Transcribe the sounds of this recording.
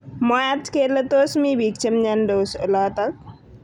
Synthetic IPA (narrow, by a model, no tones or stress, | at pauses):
majat̪kelət̪oːsmibʱik̚t͡ʃəmɲand̪oːsəlaːt̪ak̚